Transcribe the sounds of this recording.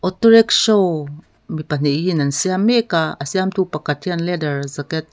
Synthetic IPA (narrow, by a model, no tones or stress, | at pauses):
ʔotoɾekʃow | mipan̥eʔinansiamekaasiamtupakatʰianledəɹzaket̚